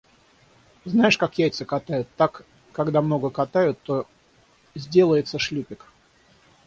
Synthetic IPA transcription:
znajɪʂkakjæjt̪səkɐt̪ajʊt̪ːakː | aɡd̪amno̞ɡəkɐt̪ajʊt̪ːo | zʲdʲe̞lˠəjɪt̪səʂlʲupʲɪk

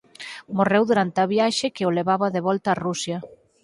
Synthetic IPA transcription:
morewðuɾant̪eaβjaʃɪkeoleβaβaðeβɔlt̪aːrusjɐ

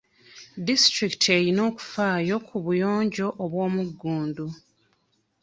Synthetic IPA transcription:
distɾiki̥tʰe̞ɾino̞ːku̥faːjo̞kʰuβujo̞ːɲɟo̞ʔːβwo̞ːmuɡːuːndu

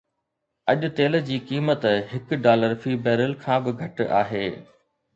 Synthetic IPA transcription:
ɐʄʊ̆t̪eːlə̆d͡ʑiːkiːmət̪ɦɪkɖaːləɾfiːbɛːɾɪlkʰãːbɪɡʱɐʈa̰ːɦeː

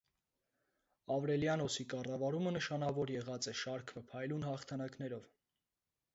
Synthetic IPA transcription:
ɑvɾɛljɑnɔsikɑrɑvɑɾumənəʃɑnɑvɔɾjɛʁɑt͡sɛʃɑɾkʰvəpʰɑjlunhɑχt̪ʰɑnɑknɛɾɔv

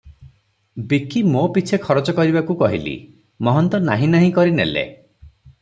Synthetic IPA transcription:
bikimopit͡ʃʰekʰɔɾɔt͡ʃɔkɔɾibakukɔɦilḭ | mɔɦɔnt̪ɔnaɦĩnaɦĩkɔɾinelḛ

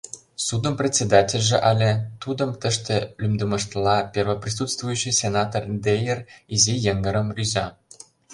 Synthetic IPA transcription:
sud̪ə̆mprʲet̪ʲt͡sʲːed̪ɑtʲĕlʲʒĕʔɑlʲĕt̪ud̪ɤ̆mt̪ə̆ʃt̪ĕlʲymd̪ə̆mɤ̆ʃt̪lɑpʲervə̆prʲis̬ut̪st̪vujyɕːijsʲenɑt̪ord̪ejerizijeŋɡə̆ɾə̆mrʲyzɑ

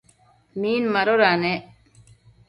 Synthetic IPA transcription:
miːnmɐɾoɾaːneːʔ

